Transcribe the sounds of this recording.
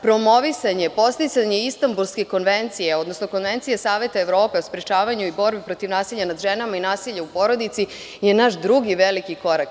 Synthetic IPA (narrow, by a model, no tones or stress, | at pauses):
pɾo̞mo̞ʋisaɲe̞po̞st̪it̪saɲe̞ist̪ambulˠske̞ko̞nʋent̪sijeo̞d̪no̞sno̞ko̞nʋe̞nt̪sijesaːʋe̞t̪aeʋɾo̞ːpe̞ospɾet͡ʃaːʋaɲuibo̞ɾbipɾo̞t̪iʋnaːsiʎanad̪ʒenamainaːsiʎaupo̞ɾo̞d̪it̪si | je̞naʃd̪ɾuɡiʋelikiko̞ɾak